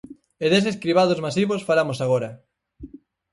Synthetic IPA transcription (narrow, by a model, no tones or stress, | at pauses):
eðes̬eskɾiβað̞ozmasiβosfaɾamosaɣoɾɐ